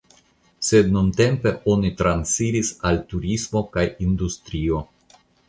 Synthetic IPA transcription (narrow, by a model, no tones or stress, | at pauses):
se̞dnunte̞mpe̞ʔo̞nitɾansiɾisaltuɾismo̞kajind̪ust̪ɾio̞